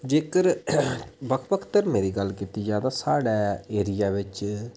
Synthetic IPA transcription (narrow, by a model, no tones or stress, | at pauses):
d͡ʒeːkəɾ | bəkʰpəkʰt̪əɾmẽːɾiːɡəlːkit̪iːd͡ʒaːd̪aːsaːɽɛːeːɾɪjaːʋɪt͡ʃ